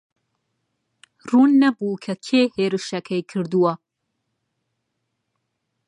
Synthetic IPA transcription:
ruːnːɐbuːkʰɐkʰeːheːɾɨʃɐkʰɐjkʰɨɾd̪uwɐ

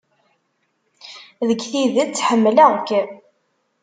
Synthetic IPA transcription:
ðəɡθiðət͡sːħəmːlækː

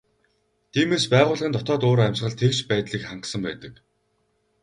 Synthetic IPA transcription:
t̪ʰiːmeːspæːʁʊːɮʁə̆nt̪ʰɔt̪ɔːt̪oːɾæmʲsχə̆ɮt̪ʰekʃpæːt̪ɮiːkχaɴqsə̆mpæ̰ːt̪ə̆k

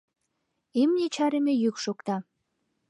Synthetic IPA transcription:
emnʲet͡ɕɑɾemejykʃokt̪ɑ

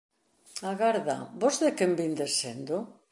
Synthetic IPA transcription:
aɣaɾða̰bozðekembind̪esend̪o

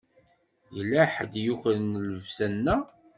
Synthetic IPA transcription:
jəlːæħəd̪juçlənləvsænːæ

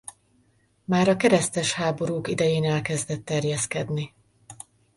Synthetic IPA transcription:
maːɾɒkɛɾɛst̪ɛʃhaːbo̞ɾuːkid̪ɛjeːnɛlkɛzd̪ɛt̪ːɛrjɛskɛd̪ni

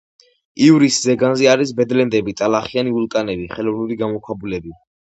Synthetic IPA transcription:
iuvɾiszɛɡanzɛaɾisbɛd̪lɛnd̪ɛbit̪ʼalaχianiulˠkʼanɛbiχɛlɔvnuliɡamɔkʰwabulɛbi

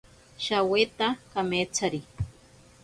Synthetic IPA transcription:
ʃawet̪akameːt͡sʰaɾi

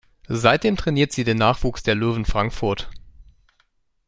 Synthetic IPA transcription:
zaɪt̚d̥eːmtʁ̥ɛniːɐtz̥iːdeːnːaːχv̥uːksd̥eːɐløːvn̩fʁ̥aŋkfʊɐt

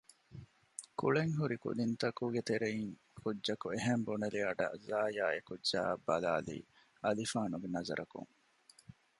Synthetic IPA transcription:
kuɭeŋɦuɾikṵd̪int̪ɐkuːɡet̪eɾeiŋ | kudːɐkueɦembuneliɐɖɐ̰zaːjaːekudʒa̰ːbːɐlaːlḭː | ɐlifaːnuɡenɐzɐ̰ɾʔɐkṵŋ

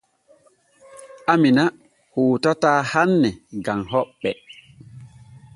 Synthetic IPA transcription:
amina | huːtataːhanːɛɡaŋɦɔɓːɛ

